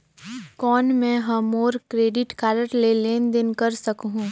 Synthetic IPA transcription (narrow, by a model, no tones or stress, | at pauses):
kɔːnmɛ̃ɦɐmoːɾkɾeːɖɪʈkaːɾəʈleleːnd̪ɪnkɐɾsɐkɦũ